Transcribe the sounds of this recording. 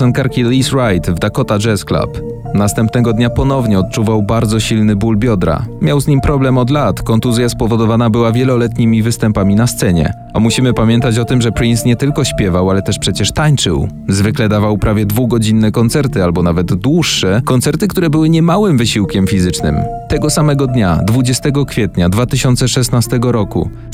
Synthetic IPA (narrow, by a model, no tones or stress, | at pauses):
sɔnkaɾkʲilisɾajt̪vd̪akɔt̪ad͡ʐɛskla̰p | nast̪ɛmpnɛɡɔd̪ɲapɔnɔvɲɛɔt̪̚t͡ʂuvawbaɾd̪zɔɕilnɘbulbʲjɔd̪ɾa̰mʲjawzɲimpɾɔblɛmɔd̪lat̪kɔnt̪uzʲjaspɔvɔd̪ɔvanabɘwavʲjɛlɔlɛt̪ɲimʲivɘst̪ɛmpamʲinast̪sɛɲɛ̰ | a̰muɕimɘpamʲjɛnt̪at͡ɕɔt̪ɘmʐɛpɾinsɲɛt̪ɘlkɔɕpʲjɛvawalɛt̪ɛʂpʂɛt͡ɕɛʂt̪aɲt͡ʂɘ̰wzvɘklɛd̪avawpɾʔavʲjɛd̪vuɡɔd͡ʑinːɛkɔnt̪sɛɾt̪ɘalbɔnavɛd̪ːwuʂːɛkɔnt̪sɛɾt̪ɘkt̪uɾɛbɘwɘɲɛmawɘmvɘɕiwkʲɛmfʲizɘt͡ʂnɘ̰mt̪ɛɡɔsamɛɡɔd̪ɲad̪vud͡ʑɛst̪ɛɡɔkfʲjɛt̪ɲad̪vat̪ɘɕɔnt̪sɛʂɛsnast̪ɛɡɔɾɔkṵ